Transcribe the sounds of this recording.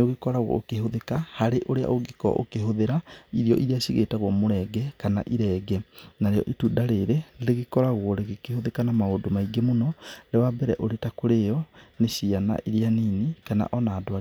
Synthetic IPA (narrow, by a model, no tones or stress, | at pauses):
oɣekɔɾaɣwɔ̰okehoðekahaɾeʔoɾea̰ʔoɣekɔ̰ʔo̰keɦoðeɾaiɾiɔ̰ʔiɾiaɕiɣetaɣwɔmoɾɛɡɛkana̰ʔiɾɛːɡɛnaɾejɔ̰ʔitudaɾeɾeɾeɾeɣekɔɾaɣwɔɾeɣekehoðekanamaodomaiɡemonɔɾewabɛɾɛ̰ʔoɾetakoɾejɔneɕiana̰ʔiɾianinekana̰ʔɔnaːdoa